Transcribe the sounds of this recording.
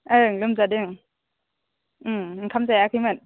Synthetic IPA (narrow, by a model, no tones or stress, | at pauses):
ɯŋlɯmzadɯŋ | kʰamzajakʰɯjmɯn